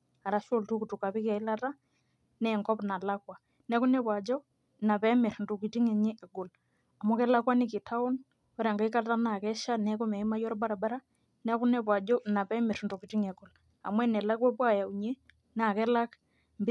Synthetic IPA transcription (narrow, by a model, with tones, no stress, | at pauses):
a˨ɾa˦ʃo˦˨ltu˦ku˨tu˨ka˨pɪ˦ka˨i˦la˦ta˦ | nɛ˦˨ŋkɔ˦pna˨la˦kwa˨ | nɛ˦ku˦nɛ˦pwa˨d͡ʒɔ˦˨ | na˨pɛ˦mɪ˨ɾndo˨ki˨ti˦ŋɛ˨ɲe˦ʔɛ˨ɡʊ˨l | a˨mɔ˦kɛ˦la˦kwa˦nɪ˦kɪ˨tʰa˦ɔ˦n | ɔ˦ɾa˨ŋɡa˦i˦ka˦ta˦na˨kɛ˦ʃa˦nɛ˦ku˦mɛ˨i˦ma˦jɔ˦ɾba˦ɾa˨ba˦ɾa˦ | nɛ˦kʊ˦nɛ˦pwa˨d͡ʒɔ˦˨na˨pɛ˦mɪ˨ɾndo˨ki˨ti˦ŋɛ˨ɡʊ˨l | a̰˨mwɛ˦nɛ˨la˦kwɛ˦pwa˦˨ja˨u˨ɲe˦ | n˦a˨kɛ˦la˦k | mb